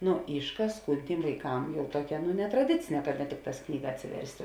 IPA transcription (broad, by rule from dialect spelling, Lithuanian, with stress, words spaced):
ˈnʊ ˈiːʃˌkɑːs ˈkuːn ˈtʲiːm ʋɐɪˈkɐm ˈjɛʊ ˈtuɔkʲɛ nʊ nʲɛtrɐˈdʲɪt͡sʲɪnʲɛ kɐ nʲɛ ˈtʲɪkˌtɑːs ˈknʲiːɡɐ ɐtʲsʲɪˈʋʲɛrʲsʲtʲ